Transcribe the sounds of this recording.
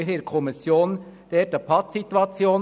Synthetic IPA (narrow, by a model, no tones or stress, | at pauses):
ɾeːkʰɔmɪsjoːnd̪̥eːd̪əpʰɑtsit̪wɑt͡sjoːn